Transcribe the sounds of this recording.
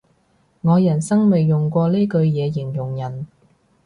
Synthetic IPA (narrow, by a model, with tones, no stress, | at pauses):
ŋɔː˨˧jɐ˨˩nsɐ˥ŋme˨jːʊ˨ŋkʷɔː˧le˥kɵ˧ɥjɛː˨˧jɪ˨˩ŋjʊ˨˩ŋjɐ˨˩n